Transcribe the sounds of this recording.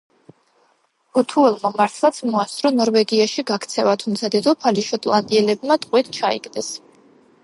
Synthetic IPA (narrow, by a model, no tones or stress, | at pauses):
b̥ɔt̪ʰuɛlˠmamaɾt̪ʰlˠat̪sʰmɔast̪ʼɾɔnɔɾvɛɡiaʃiɡakʰt̪sʰɛvat̪ʰumt̪sʰad̪ɛd̪ɔpʰaliʃɔt̪ʼlˠand̪iɛlɛb̚mat̪ʼqʼwɛt̪t͡ʃʰaḭkʼd̪ɛs